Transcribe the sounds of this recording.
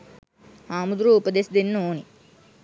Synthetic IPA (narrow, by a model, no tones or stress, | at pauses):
haːmud̪ɾuupəd̪esd̪inːoːni